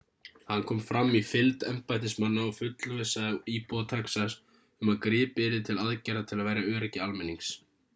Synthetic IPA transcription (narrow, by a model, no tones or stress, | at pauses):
hanːkʰɔːmfɾamːifɪlt̪ɛmpajt̪̬ɪsmanːaɔfʏt̪lʏvesaðiːpɔt̪ʰaksas | ʏmaðkɾɪːpɪɾɪt̪ʰɪlaðcɛɾat̪ʰɪlaðvajɾjaœːɾɛcːɪalmɛnːiŋks